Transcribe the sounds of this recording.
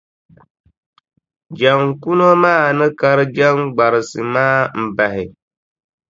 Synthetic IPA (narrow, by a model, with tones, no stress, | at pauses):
d͡ʒa˨ŋku˦no˦maː˦˨nɨ˦ka˦ɾɨ˦d͡ʒa˦ŋɡ͡ba˨ɾɨ˨sɨ˨maː˦m̩˦˨ba˨ɦɪ˨